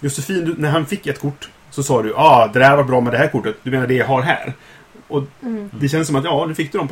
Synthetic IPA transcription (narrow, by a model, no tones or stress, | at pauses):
jɵsɛfiːnd̪ɵnæɾɦanfɪkːɛt̪kʰʊʈː | sɔsɑːd̪ɵʔɑːd̪ɛd̪hæɾhɾvaʈ̚bɾɑːmɛd̪ɛhæːɾkʰʊʈːət̪d̪ɵmeːnaɖɛjaɦaɾɦæ̰ːɾ | ʔɔd̪ɛɕɛnəsɔmat̪jɑːnʉfɪkːd̪ɵd̪ɔmp